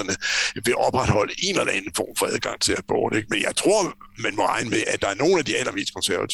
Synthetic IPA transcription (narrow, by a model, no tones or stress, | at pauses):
ɐnəʋe̝ʔɒ̽b̥ʁad̥hɒ̽l̰əe̝nelˠɐænn̩fɒ̰ːmfɒ̽æðˠɡ̥ɑ̈ŋ̰t͡sʰe̝læb̥ɔ̰ːd̥eɡ̥̚menjɑ̈ɪt͡sʰʁo̝ɐ̰ | mænmɒ̽ʁɑ̈ɪnəmeʔæd̥ɑ̈æɐno̝ːn̩æd̥iælɐme̝̰ːsd̥kʰɒ̽nsæɐæt͡sʰ